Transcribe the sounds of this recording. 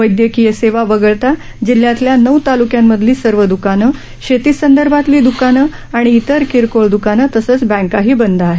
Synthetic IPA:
ʋəjd̪jəkijəseʋaʋəɡəɭt̪a | d͡ʑiljat̪ljanəwt̪alukjamːəd̪ʱliːsəɾʋəd̪ukanə | ɕet̪iːsənd̪əɾbʱat̪liːd̪ukanə | aɽ̃iːt̪əɾkiɾkoɭd̪ukanət̪əsəːt͡sbɛ̃ŋkaɦiːbənd̪ʱəaɦe

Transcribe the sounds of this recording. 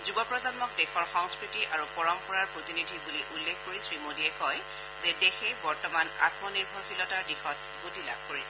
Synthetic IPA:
zubɔpɹɔzɔnmɔk̚dɛxɔɹxɔŋskɹitiʔaɹupɔɹɔmxʰɔɹaɹpɹotinidʱibuliʔulːekʰkoɹisɹimodiɛkɔj | z̥edexejbɔɹtɔmana̰tmɔniɹbʱɔɹpʰilɔtaɹdixɔt̚ | utila̰b̚ʱkoɹisɛ

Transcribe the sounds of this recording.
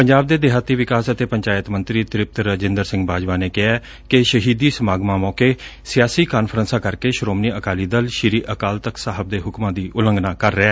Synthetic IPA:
pəɲd͡ʒaːb̚d̪eːd̪ɪɦaːt̪iːʋɪkaːsət̪eːpəɲt͡ʃaːjət̪mə̃nt̪ɾiːt̪ɪɾɪp̚t̪ɾəd͡ʒɪ̃nd̪əɾsɪ̃ŋɡbaːd͡ʒʋãːneːkɪɛː | kɪʃəɦiːd̪iːsəmaːɡmãːmɔːkeːsɪjaːsiːkaːnpʰɾənsãːkəɾkeːʃɾoːmniːəkaːliːd̪əlʃɪɾiːʔəkaːlt̪əksaːɦəb̚d̪eːɦʊkmãːd̪iːʔʊlə̃ŋɡnaːkəɾːəɛː

